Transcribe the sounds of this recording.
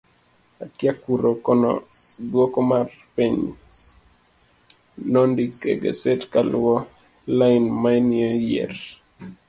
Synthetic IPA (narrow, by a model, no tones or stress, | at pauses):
akjakuɾokɔnɔ̰dwɔkɔmar | piɲ | nɔndikḛɡḛsɛtkalwɔ | laɪnmaɛnɪejḛr